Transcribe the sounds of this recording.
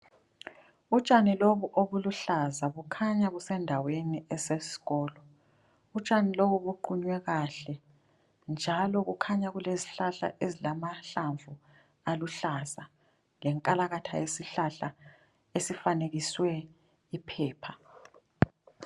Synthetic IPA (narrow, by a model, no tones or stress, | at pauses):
ut͡ʃʼaniloβuʔoβuluɬazaβukʰaɲaɣusɛndʱaweniɛsesi̥ɣɔːlɔ | ut͡ʃʼaniloβuβuǃuɲwɛɣaɬɛ | nd͡ʒʱalɔɣukʰaɲaɣuleziɬaɬa̰ʔezilamaɬaɱvu | aluɬaza | lɛŋkʼalaɣatʰa̰jesiɬaɬa | esifaneɣiswɛ | ipʰɛːpʰa